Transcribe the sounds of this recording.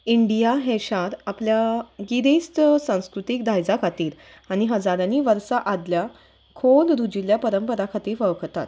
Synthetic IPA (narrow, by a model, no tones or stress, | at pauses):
iɳɖijaɦeɕaɾapljaɡiɾest̪sãw̃skɾut̪iːkd̪ʱajd͡zakʰat̪iːɾ | aɽ̃iɦəd͡zaɾaniːʋəɾsaʔad̪lja | kʰolɾud͡ʑiljapəɾəmpəɾakʰat̪iːɾʋəʋkʰt̪at̪